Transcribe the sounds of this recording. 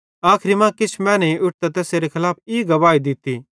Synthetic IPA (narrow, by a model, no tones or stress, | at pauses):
aːkʰɾimãkɪt͡ʃʰmɛ̃ːnɛiʔʊʈ̚t̪ɛt̪ɛːseɾekʰɐlaːp̚iɡɐʋaːid̪ɪt̪i